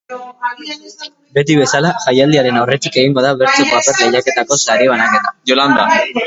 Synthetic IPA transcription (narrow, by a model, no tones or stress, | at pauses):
be̞t̪iβe̞salaʝajald̪iaɾe̞nawre̞t̪ike̞ɣiŋɡo̞ð̞aβe̞ɾt͡sekoapeɾleʎake̞t̪ako̞saɾiβ̞anake̞t̪ḁjoland̪a